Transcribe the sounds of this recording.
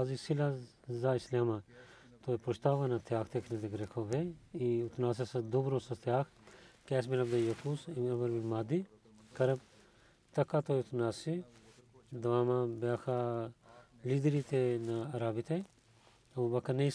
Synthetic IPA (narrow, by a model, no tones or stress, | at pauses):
azisila | zaislaːma | t̪oːipɾuʃt̪aːʋɐnat̪ʰjaːkʰt̪ekʰnid̪eɡɾekʰoːbeiut̪naːs̬esɐd̪ubɾosɐt̪ʰjaːkʰ | kɛːsmilɐbd̪ɐjɐkusimɐmɐɾminmaːd̪i | kɐɾɐb̚ | t̪ɐkːat̪oːjut̪ʰnaːsi | d̪ɐʋaːmabaːkʰa | lid̪ɾit̪enɐɐɾaːbit̪ʰe | ɐbɐkɐnɐ